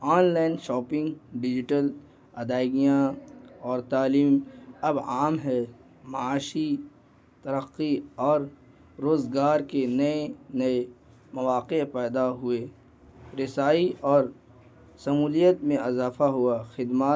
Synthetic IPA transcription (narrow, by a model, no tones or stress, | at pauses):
ɔːnlaːɪnʃɔːpɪ̃ŋɡɖɪd͡ʒɪʈəl | ɐd̪aːɪɡijãɔːɾt̪aːliːmɐbaːmɦɛ | mɐaːʃi | t̪ɐɾəqːiɔːɾː | oːzɡaːɾkenɐenɐe | mɐʋaːqepɛːd̪aɦʊe | ɾɪsaːiʔɔːɾ | sɐmuːlijət̪mẽɐzaːfaɦʊaxɪd̪maː